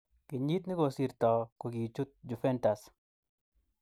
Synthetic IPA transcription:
kɪ˨ɲi˦t̪nɪ˦ko˨si˨ɾt̪ɔ˨ko˨ɡi˨t͡ʃu˦t̪̚d͡ʒu˨fɛ˦nta˨s

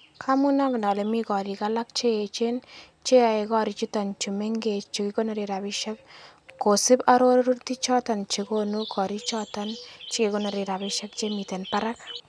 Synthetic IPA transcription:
kʰamuna˦kna˨lɛmi˦kɔ˨ɾikala˦k̚t͡ʃe˦e˨t͡ʃe˦n | t͡ʃe˦a˨ekɔ˦ɾit͡ʃu˦tant͡ʃumeŋɡet͡ʃikiko˦naɾe˨ɾa˨bɪʃa˦k̚ | kːo˨sɪ˦paɾo˦ɾɾu˦ɾti˦t͡ʃɔ˦tant͡ʃekonukʰɔ˨ɾi˦t͡ʃɔ˦tant͡ʃikekona˨ɾi˨ɾa˨bɪʃa˦k̚t͡ʃemite˨npaɾak̚

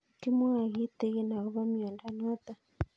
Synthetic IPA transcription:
ki˦mɔ˦a˨ɣi˦t̪ɛ˦ɣe˦na˨ɣɔ˦βa˦mi˨ɔ˨nda˦ɲ˦a˦t̪a˨

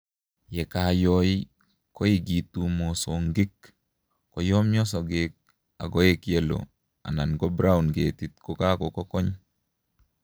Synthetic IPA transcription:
jɛ˨kajɔi | kɔ˦i˦ɡi˨tu˦mo˨soŋɡɪ˦k | kɔ˨jɔ˦mjɔ˦s̬ɔ˨ɡek̚ | a̰˨ɡɔ˦e˦kje˦lo̰ | a̰˨na˨nɡɔ˦bɾa˦unɡe˨ti˨t̚koka˦kɔ˨kɔ˦kɔ˦ɲ

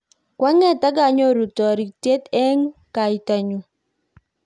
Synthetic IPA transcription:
kwa˦ŋɛ˦˨ta˦ɡa˨ɲɔ˦ɾu˨tɔ˨ɾi˨k̚te˦tɛ˦ŋka˨i˨ta˨ɲu˨

